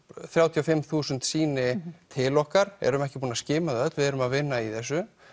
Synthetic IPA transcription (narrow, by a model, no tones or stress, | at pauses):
θɾjawt̪ʰiawfɪmːθuːsʏnt̪siːnɪt̪ʰɪlɔhkaɾɛ̰ɾʏmɛhcɪ̥puːnascɪːmaðœt̪vɪðɛɾʏmaðvɪnːaiθɛs̬ːʏ